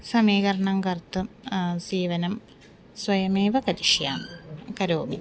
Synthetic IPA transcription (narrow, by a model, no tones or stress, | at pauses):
sɐmiːkɐɾɐɳɐŋkɐrt̪ːum | siːʋɐnɐm | swɐjɐmeːʋɐkɐɾiʂjaːmkɐɾoːmi